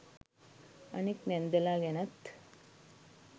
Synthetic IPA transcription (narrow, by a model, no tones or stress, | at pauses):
ɐ̰niknend̪ɐlaːɡenɐt̪